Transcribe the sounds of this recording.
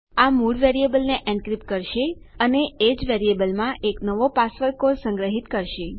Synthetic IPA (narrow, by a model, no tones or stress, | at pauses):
amuɖʋeɾiebəlneʔɛ̃ɳɖkɾip̚kəɾʃe | əneed͡ʒʋeɾiebəlmãʔeknəʋopasʋəɾkoɾsə̃ŋɡɾəɦit̪kəɾʃe